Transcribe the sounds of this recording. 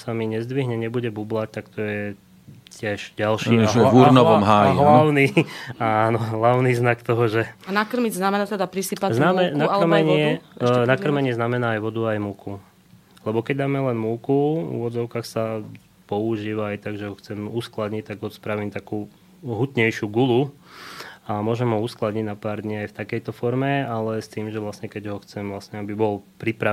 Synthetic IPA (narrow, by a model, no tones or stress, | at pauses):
samiɲɛzd̪ʋiɦɲɛɲɛbuɟɛbublac̚t̪akt̪ɔjɛ | cʰɪɛʒɟalʃiːɛauɾnɔɔmɦaːjɦlaʊnianɔɦlaʊniznakt̪ɔɦɔʒɛnakr̩miznamɛnat̪ɛd̪apɾisipaznamɛnakmɛɲɪɛnakr̩mɛɲɪɛznamɛnaːjʋɔd̪uajmuku | lɛbɔkɛɟd̪aːmɛlɛnmukuṵʋɔd͡zɔʊkaːxsa | pɔuʒiːʋaːjt̪aɡʒɛɦɔxt͡sɛmusklad̪ɲic̚t̪aɡɦɔt̪spɾaʋiːmt̪akuː | ɦut̪ɲɛjʃjuɡulu | amʊɔːʒɛmɦɔusklad̪ɲiɟnapaːɾd̪ɲiajft̪akɛjt̪ɔfɔɾmɛalɛst̪iːmʒɛʋlasɲɛkɛɟɦɔxt͡sɛmʋlasɲɛabibɔlpɾipɾa